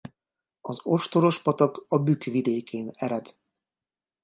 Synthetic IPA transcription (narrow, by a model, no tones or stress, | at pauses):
ɒzo̞ʃt̪o̞ɾo̞ʃpɒt̪ɒkɒbykʋid̪eːkʰeːnɛɾɛd̪